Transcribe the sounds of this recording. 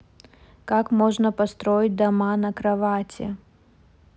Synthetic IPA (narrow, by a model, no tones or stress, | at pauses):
kakmoʐnəpɐst̪ɾoɪt̚ʲd̪ɐmanɐkɾɐvatʲɪ